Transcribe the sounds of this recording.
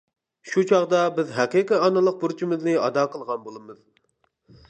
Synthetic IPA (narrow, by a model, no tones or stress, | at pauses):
ʃut͡ʃʰɑʁd̪ɑbɪzɦæqiqiɑnɨlˠəq̚buɾt͡ʃʰimɪznɨɑ̰d̪ɑːqʰəlˠʁɑnbolˠɨmɨz̥